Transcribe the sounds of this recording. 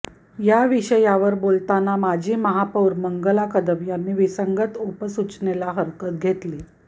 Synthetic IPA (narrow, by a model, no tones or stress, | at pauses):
jaʋiɕəjaʋəɾbolt̪anamad͡ʑʱiːməɦapəwɾməŋɡəlakəd̪əmjanːiːʋisəŋɡət̪upəsut͡ɕnelaɦəɾkət̪̚ɡʱet̪liː